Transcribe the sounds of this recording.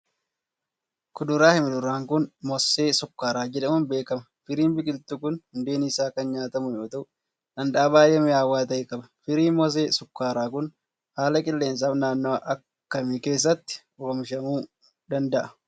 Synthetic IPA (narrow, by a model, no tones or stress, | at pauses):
kʊd̪ʊɾaːhɪmɪd̪ʊɾaːŋkʊnmɔsːeːsʊkːaːɾaːd͡ʒɛᶑɐmʊnbe̞ːkɐmɐfɪɾiːnbɪkʼɪlt̪ukʊnhʊnd̪e̞ːniːsaːkɐnɲaːt̪ɐmʊjo̞ːt̪ɐʔʊ | ᶑɐnᶑ̪aːbaːjɛmɪaːwaːt̪ɐɪkʼɐbɐ̥fɪɾiːnmɔs̬eːsʊkːaːɾaːkʊn | haːlɐkʼɪlːe̞ːns̬aːfnaːnːoːʔɐkːɐmike̞ːs̬ːɐt̪ːɪ̥ | ʊɐmɪʃɐmuː | d̪ɐnd̪ɐʔɐ